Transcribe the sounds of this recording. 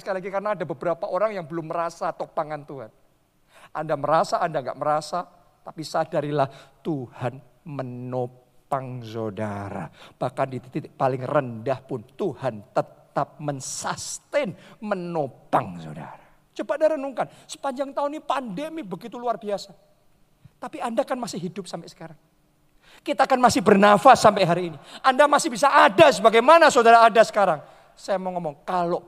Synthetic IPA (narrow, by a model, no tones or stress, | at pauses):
səkalilaɡikarənaːdabəbəɾapaʔoɾaŋjaŋbəlʊmːəɾasat̪opaŋant̪uɦan | ʔandaməɾasaʔːndaŋɡa̰ʔməɾasa | t̪apisadaɾilaht̪uhan | məno | paŋsodaɾa̰b̥ahkandit̪it̪it̪palɪŋrəndahpʊnt̪uhant̪ət̪ap̚mənsast̪ɛnmənopaŋso̰da̰ɾa | t͡ʃəbadaɾənuŋkansə̥paɲd͡ʒaŋt̪aʊnipandemibəɡit̪uluarbiasa | t̪apiandakanmasɪhɦidʊp̚sampasə̥kaɾaŋ | kit̪aːkanmasɪhbərnafasːampajɦaɾiːniʔandamasɪhbisaʔadasəbaɡajmanasodaɾaːdasə̥kaɾaŋ | sajaməŋɔmɔŋkaloʔ